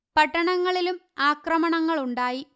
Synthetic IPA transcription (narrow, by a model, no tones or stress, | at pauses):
pɐʈːɐɳɐŋːɐɭilum | aːkrɐmɐɳɐŋːɐɭuɳɖaːji